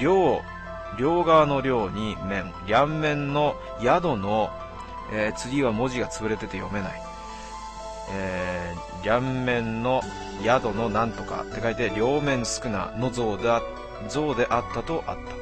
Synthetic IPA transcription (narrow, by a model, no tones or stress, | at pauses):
ɾʲoː | ɾʲo̞ːɡano̞ɾʲo̞ːɲ̟imẽ̞ɴɾʲãmːẽ̞nːo̞ | jad̪o̞no̞ | et͡sɨɡʲiβamo̞ʑiɡat͡sɨbɯ̟ɾe̞t̪e̞t̪e̞jo̞̰me̞nai | e | ɾʲamːẽ̞nːo̞ | jad̪o̞no̞nãnt̪o̞ka̰t̪ːe̞kait̪ːe̞ɾʲo̞ːmẽ̞ɰ̃sɨ̥kɯ̟na̰no̞zo | zo̞ːd̪e̞ʔat̪ːat̪o̞ʔa̰t̪ːḁ